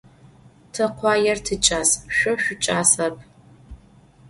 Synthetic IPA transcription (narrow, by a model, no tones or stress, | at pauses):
tʰɨqʷɑːjɛrtʰɨt͡ʃʼaːsʃʷɔʃʷᶣʊt͡ʃʼaːsɐpʰ